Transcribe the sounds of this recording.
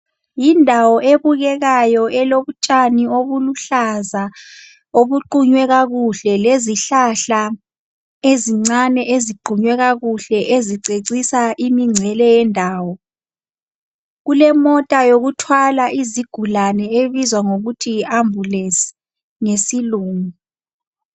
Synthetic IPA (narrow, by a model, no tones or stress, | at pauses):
jindʱawɔʔeβuɣɛɣajɔʔɛloβut͡ʃʼanioβuluɬaza | oβuǃuɲwɛɣaɣuɬɛleziɬaɬa | eziŋ͡ǀanɛʔeziǃʱuɲwɛɣaɣuɬɛʔeziǀeǀisaʔimiŋ͡ǀʱɛlɛjɛndʱaːwɔ | ɣulɛmɔtʼajoɣutʰwalaʔiziɡ̥ʱulanɛeβizwaŋoɣutʰiambʱulesi̥ | ŋesiluːŋu